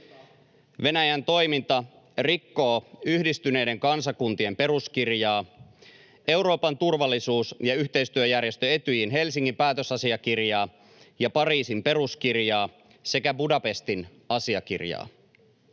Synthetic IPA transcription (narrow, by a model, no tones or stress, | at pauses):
ʋe̞næjænt̪o̞jmint̪ɑ | rikːo̞ːyhdist̪yne̞jde̞ŋkɑnsɑkunt̪ie̞mpe̞ɾuskirjɑː | e̞wɾo̞ːpɑnt̪urʋɑlːisuːsjɑyçt̪e̞ist̪yøjærje̞st̪øe̞t̪yjinɦe̞lsiŋːimpæːt̪øsɑsiɑkirjɑː | jɑpɑriːsimpe̞ɾuskirjɑː | se̞kæbudɑpe̞st̪in | ɑsiɑk̟ḭrjɑ̰ː